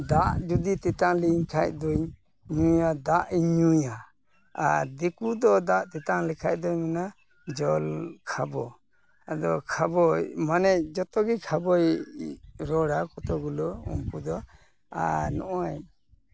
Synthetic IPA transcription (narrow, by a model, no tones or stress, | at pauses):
d̪aʔd͡ʒud̪it̪ɛt̪aŋliɲkʰac̚d̪uɲ | ɲujad̪aʔiɲuja | a̰ɾd̪ikud̪ɔd̪aʔt̪ɛt̪aŋlɛkʰac̚d̪ɔɲmɛna | d͡ʒɔlkʰabɔ | ad̪ɔkʰabɔjmanɛd͡ʒɔt̪ɔɡikʰabɔj | ɾɔɽakɔt̪ɔɡulɔṵmkud̪ɔ | a̰ɾnɔʔɔj